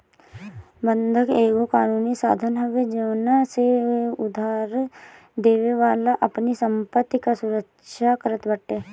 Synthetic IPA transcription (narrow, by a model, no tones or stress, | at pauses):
bə̃nd̪ʱəkeːɡokaːnuːnisa̰ːd̪ʱənɦoɡed͡ʒeːnaseʊd̪ʱaːɾ | d̪eːʋeʋaːlaʔɐpnisə̃mpət̪ːikasʊɾəkʃakəɾət̪bəʈːeː